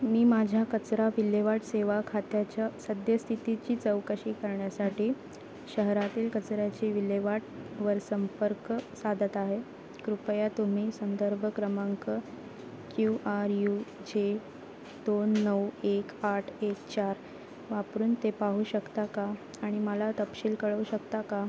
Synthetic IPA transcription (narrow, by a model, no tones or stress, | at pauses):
miːmad͡ʑʱjakət͡sɾaʋileʋaʈseʋakʰat̪jat͡ɕjasəd̪ʱjəst̪ʰit̪it͡ɕiːt͡səwkəɕiːkəɾɳjasaʈiː | ɕəɦɾat̪iːlkət͡sɾjat͡ɕiːʋileʋaʈʋəɾsəmpəɾksad̪ʱət̪aɦe | kɾupjat̪um̤iːsənd̪əɾbʱəkɾəməŋkə | kjuʔaɾjud͡ʑe | d̪onːəwekaʈʰekt͡ɕaɾ | ʋapɾuːnt̪epaɦuːɕəkt̪akaː | ɽ̃iməlat̪əpɕiːlkəɭəuɕəkt̪aka